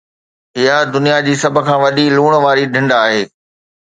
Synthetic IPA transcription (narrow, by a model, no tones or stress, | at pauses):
ɦɪjad̪ʊnijad͡ʑiːsɐbʱʊ̆kʰãːʋɐɗiluːɽ̃ʋaːɾiɖʱɪ̃ɳɖaːɦeː